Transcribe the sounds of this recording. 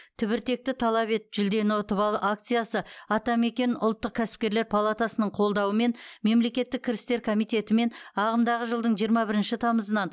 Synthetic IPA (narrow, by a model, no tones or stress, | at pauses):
t̪ʰʏβɪɾt̪e̞k̚t̪ɪt̪ʰɑlˠɑβe̞t̪ʒ̥ʏld̪e̞nɪot̪əpɑlˠəʔakt̪sɨjasəɑt̪ɑme̞kʲe̞nʊ̰lˠt̪ːəq̚kʲʰæsɪp̚kʲe̞ɾle̞ɾpʰalˠat̪asənəɴqʰo̞lˠd̪ɑwəme̞nme̞mle̞kʲe̞t̪ːɪk̚ʲʰːɪɾɪst̪e̞ɾkʰo̞mijt̪e̞t̪ɪme̞nɑʁəmd̪ɑʁəʒəlˠd̪əɴʒijəɾmɑbɪɾɪnʃɪt̪ʰɑməzənɑn